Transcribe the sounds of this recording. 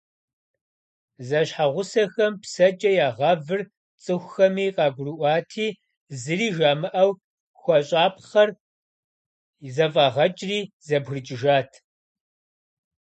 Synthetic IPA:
zɐɕħaʁʷʊsɐxɐmpsɐd͡ʒʼɐjaːʁɐvɨr | t͡sʼɨxʷxɐmiːqɑːɡʷʊriʔʷɑːtʰiː | zɨriːʒaːmɨʔɐw | xʷɔɕʼaːpχɐr | zɐfʼaːʁɐt͡ʃʼriːzɐbɣrɨt͡ʃʼɪʒaːtʰ

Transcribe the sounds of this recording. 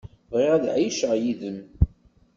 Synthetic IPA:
vʁiʁæðʕijʃəʁjiðəm

